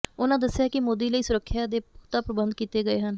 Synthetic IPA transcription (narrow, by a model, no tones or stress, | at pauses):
ʊnãːd̪əsːjaːkɪmoːd̪iːləiːsʊɾəkʰːjaːd̪eːpʊkt̪aːpɾəbənd̪̚kiːt̪eːɡəeːɦən